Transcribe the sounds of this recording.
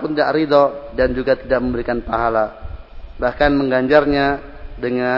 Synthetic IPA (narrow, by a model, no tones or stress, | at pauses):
pʊndaʔɾidɔdand͡ʒuɡat̪idaʔ̚məmbəɾikanpaɦala | bahkanməŋɡaɲd͡ʒarɲa | dəŋa